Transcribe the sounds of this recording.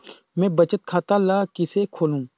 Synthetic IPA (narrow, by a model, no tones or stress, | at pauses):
mɛ̃ːbɐt͡ʃət̪̚kʰaːt̪alaːkɪsekʰoːlũː